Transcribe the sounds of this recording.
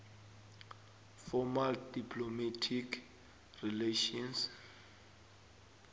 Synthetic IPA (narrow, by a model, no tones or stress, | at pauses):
fɔmaldipʰlomatʰikʰ | rileʃɔns